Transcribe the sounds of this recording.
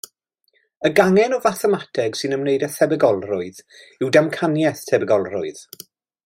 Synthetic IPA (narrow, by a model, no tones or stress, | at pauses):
əɡaŋɛnɔvaθɛmatʰɛɡ̥sɨnəmneɨdəθɛbɛɡɔlˠrʊɨð | ɪwdamkʰanjɛθtʰɛbɛɡɔlˠrʊɨð̥